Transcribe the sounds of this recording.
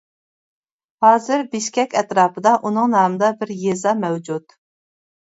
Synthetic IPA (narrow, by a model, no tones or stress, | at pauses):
hɑːzɨɾbiʃkʲɛkʲɛt̪ɾɑːpʰɨd̪ɑʔunɨŋnɑːmɨd̪ɑbɪɾjezɑmɛwd͡ʒud̪